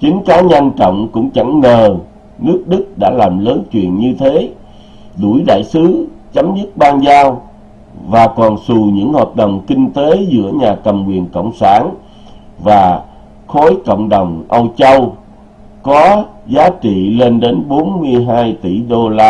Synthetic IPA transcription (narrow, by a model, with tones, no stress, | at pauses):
t͡ɕï˨˦ŋ̟kaː˨˦ɲa˧jŋt͡ɕɔ̰˧˨wŋ͡mkʊ̰˧˥ŋ͡mt͡ɕa˧˩ŋːəː˨˩ | nɨ˦˥ək̚ɗɨ˦˥k̚ɗa̰ː˧˥laː˨˩mləː˨˦nt͡ɕwḭ˧˨ənɲɨ˧t̪ʰe˨˦ | ɗu˧˩jɗa̰ː˧˨jsɨ˨˦ | t͡ɕə˨˦mzɨ˦˥t̚ɓaː˧nzaː˧w | vaː˨˩kɔ˨˩nsu˨˩ɲɨ̰˧˥ŋhaː˨˩t̚ɗə˨˩wŋ͡mkï˧ŋ̟t̪e˨˦zɨ̰˧˥əɲaː˨˩kə˨˩mkwḭ˨˩ənkə̰˧˨wŋ͡msaː˧˩n | vaː˨˩ | xo˨˦jkə̰˧˨wŋ͡mɗə˨˩wŋ͡mʔə˧wt͡ɕə˧w | kɔ˨˦zaː˨˦t͡ɕḭ˧˨le˧nɗe˨˦nɓo˨˦nmɨ˧əjɦaː˧jt̪ḭ˧˩ɗo˧laː˧